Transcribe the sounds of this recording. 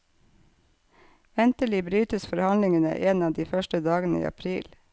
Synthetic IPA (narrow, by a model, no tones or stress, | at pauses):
ʋɛnt̪əɭiːbɾyːt̪əsfɔɾhɑnlɪŋənə̰ʔeːnɑːd̪iːfœʃʈəd̪ɑːɡənəḭːɑ̰pʰɾiːl